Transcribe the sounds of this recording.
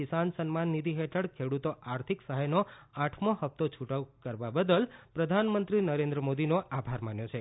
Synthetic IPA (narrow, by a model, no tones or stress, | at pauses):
isansənmanːid̪ʱiɦeʈʰəɽkʰeɽut̪oʔaɾt̪ʰiksəɦəjnoaʈʰmohəpt̪ot͡ʃʰuʈəkəɾʋabəd̪əlpɾəd̪ʱanmənt̪ɾinəɾẽnd̪ɾəmod̪inoʔabʱaɾmanjot͡ʃʰe